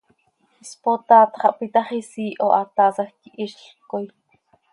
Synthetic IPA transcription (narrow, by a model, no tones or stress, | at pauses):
ispot̪ɑːt̪χɑʔpit̪ɑχisiːʔoʔɑt̪ɑːsɑxk̪iʔiʃɬkoj